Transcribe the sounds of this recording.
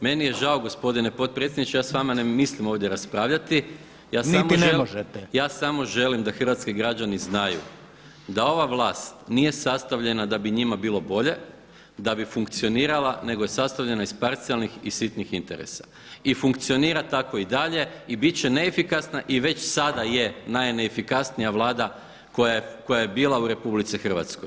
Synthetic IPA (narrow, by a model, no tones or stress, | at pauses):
me̞nije̞ʒawɡo̞spo̞d̪ine̞pot̪̚pɾetsjed̪nit͡ʃejaːsʋamanemislimo̞ːʋd̪ʲjeɾaspɾaːʋʎat̪i | jaːsnaiminemoʒet̪ɛjaːsamo̞ʒe̞limd̪axrʋat̪skiɡɾad͡ʒaniznajṵ | d̪ao̞ʋaʋlˠaːst̪nije̞sast̪aʋʎe̞nad̪abiɲimabiːlˠo̞bo̞ʎe̞ | d̪abifuŋkt̪sio̞niːɾalˠane̞ɡo̞je̞sast̪aʋʎe̞naispaɾt̪sialˠnixisit̪nixint̪eɾḛsḁ | ifuŋkt̪sio̞niːɾat̪ako̞id̪aʎe̞ibit̪t͡ɕe̞neːfikasnaʔiʋe̞t͡ɕsad̪aje̞najneːfikasnijaʋlˠaːd̪a | ko̞jako̞jajebiːlˠauɾe̞publit̪sixr̩ʋa̰t̪skoj